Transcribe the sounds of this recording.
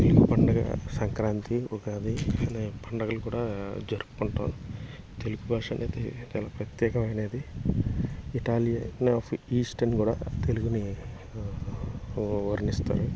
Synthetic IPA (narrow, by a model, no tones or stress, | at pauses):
t̪eluɡupɐɳɖɐɡɐ̰sɐŋkɾaːnt̪iokaːd̪inepɐɳɖɐɡɐlukuːɽaːd͡ʒɐɾuku̥kuɳʈa̰ːm | t̪eluɡubʱaːʂɐːnʔeːd̪it͡ʃaːlaːpɾɐt̪jɛːkɐmɐjɐne̞ːd̪i | iʈaːlijanaːpʰiːsʈɐnkuːɽa̰ːt̪e̞luɡuni | ʋɐɾinist̪a̰ːɾu